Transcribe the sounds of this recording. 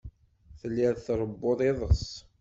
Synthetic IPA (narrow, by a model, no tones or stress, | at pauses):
θəlːɪɾθɾˤəbːoðˤeðˤəsˤ